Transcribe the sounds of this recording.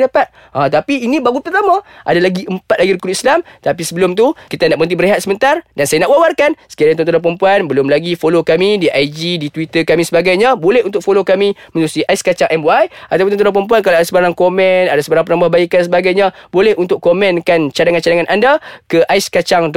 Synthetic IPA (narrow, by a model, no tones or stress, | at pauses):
dapat̪̚ | ʔãt̪apiːnĩbaɡut̪ərt̪amãʔa̰dalaɡiəmpat̪̚laɡiɾikudislamt̪apisəbəlʊmt̪̬ukit̪anaʔpənt̪̬ibəɾeɦat̪̚səmənt̪ardansajanaʔwawarkansə̥kiaɾat̪ɔnt̪uɾap̬əɾəmpuanbəlʊmlaɡifolokamĩdiʔajd͡ʒidit̪wit̪əkamĩsəbaɡajɲãbolɛhunt̪ʊk̚folokamĩmənuɾusiʔaiskat͡ʃaŋʔɛmwaja̰t̪awpunɔnt̪uɾapəɾəmp̬uankalaadasəbaɾaŋkomɛ̃nadasəbaɾaŋpənambahbaikans̬əbaɡajɲãbolɛhunt̪ʊkkomɛ̃nkant͡ʃadaŋant͡ʃadaŋanʔandakəʔaiskat͡ʃaŋt̪